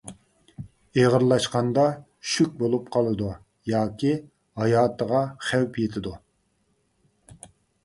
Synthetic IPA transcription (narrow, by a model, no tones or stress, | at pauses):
eʁəɾlˠɑʃqɑnd̪ɑ | ʃykʲbolˠupqʰɑlˠɨd̪u | jɑːkʲi | hɑjɑːt̪ʰəʁɑχæwpʰjet̪ʰɪd̪u